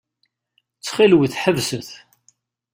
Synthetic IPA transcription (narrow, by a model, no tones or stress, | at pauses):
t͡sːχilwəθħəvsəθ